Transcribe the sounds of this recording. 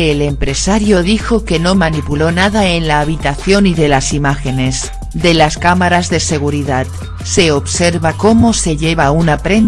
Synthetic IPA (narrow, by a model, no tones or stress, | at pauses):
le̞mpɾe̞saɾjo̞ðixo̞ke̞no̞manipulo̞naðae̞nlaːβ̞it̪aθjo̞niðe̞lasimaxe̞ne̞s | d̪e̞laskamaɾazðe̞se̞ɣ̞uɾiðat̪ | se̞o̞βse̞ɾβako̞mo̞se̞ʎe̞βaunapɾe̞n